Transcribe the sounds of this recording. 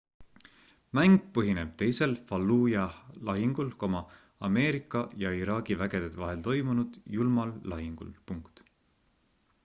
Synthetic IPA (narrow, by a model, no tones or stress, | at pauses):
mæŋɡ̥̚pɤɦine̞b̥̚t̪e̞jse̞lfɑlːuːjɑlɑɦiŋɡ̥ulko̞mɑː | me̞ːɾikːˑɑjɑiɾɑːɡivæɡ̥e̞d̪̥ed̪vɑɦe̞lt̪o̞jmunud̪̥julmɑlːɑɦiŋɡ̥ṵlpuŋkt̪